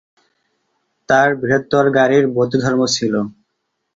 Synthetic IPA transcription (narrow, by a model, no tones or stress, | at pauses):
t̪aɾbiɦot̪ːoɾɡaɾiɾbot̪ud̪ʱɔɾmot͡ɕʰilo